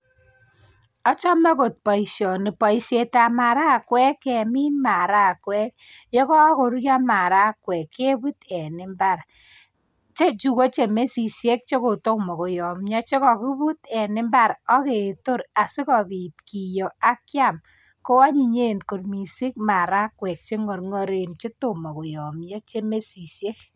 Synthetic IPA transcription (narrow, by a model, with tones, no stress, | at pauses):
ɔ˦t͡ʃɔ˦ma˦ko˨t̚pɔ˨isjɔ˨nɪ˨pɔ˨i˨sje˨ta˨ma˨ɾa˦˨kwɛ˦kːɛ˨mi˦nma˨ɾa˦˨kwɛ˦k̚jɔ˦kɔ˦kʊ˨ɾja˦ma˨ɾa˦kwɛ˨kːe˦bu˦t̪ɛ˨nɪ˦mba˨ɾ | t͡ʃe˦t͡ʃu˦ko˦t͡ʃe˨me˦si˨sje˦k̚t͡ʃe˦kʊ˨to˦mɔ˨kʊ˨jɔ˨mɲa˦t͡ʃe˦kɔ˨kɪ˦bu˦t̪ɛ˨nɪ˦mba˦ɾɔ˦ke˨to˦ɾa˨sɪ˦kɔ˨bi˨tki˨jɔ˨a˦kja˦˨m | ko˦wa˦ɲi˨ɲe˦nko˨rmi˨si˦k̚ma˨ɾa˦kwɛ˨k̚t͡ʃe˦ŋɔ˨ɾŋɔ˦ɾe˨nt͡ʃɪ˦to˨mɔ˨kʊ˨jɔ˨mja˦t͡ʃe˦me˦si˨sje˦k